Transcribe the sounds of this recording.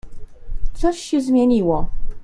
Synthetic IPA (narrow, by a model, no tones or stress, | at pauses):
t̪sɔɕːɛzmʲjeɲiwɔ